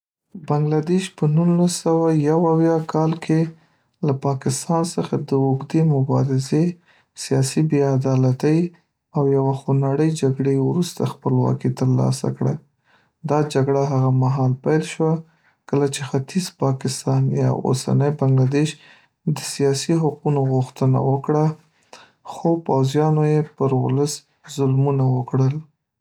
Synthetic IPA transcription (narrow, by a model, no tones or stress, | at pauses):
baŋɡlad̪eʃpənunlːasawajawawjɑkʰɑlkʰe | lapɑkɪst̪ɑnsəxad̪əʊɡd̪emʊbɑɾɪze | sijɑsibead̪ɑlat̪əj | awjawaxonaɽəjd͡ʒaɡɽewɾust̪axpəlwɑ̰kit̪əɾlɑ̰sa̰kɽa | d̪ɑd͡ʒaɡɽaɦaɣamaɦɑlpajlʃwa | kəlat͡ʃexat̪izpɑkɪst̪ɑnjɑ̰o̰sa̰nəjbaŋɡlad̪eʃ | d̪əsijɑsiɦaqunoɣʊxt̪əna̰wəkɽa | xopawzjɑnojepəɾwʊ̰ləs | zʊlmunawəkɽəl